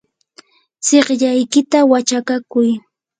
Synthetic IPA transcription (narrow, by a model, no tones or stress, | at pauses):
t͡seχʎajkɪt̪awat͡ʃakakʊj